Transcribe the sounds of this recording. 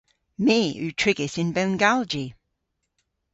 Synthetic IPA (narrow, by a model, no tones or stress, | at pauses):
meːʉtʰɹ̥ɪɡɪsɪ̃nbɛnɡalˠd͡ʒi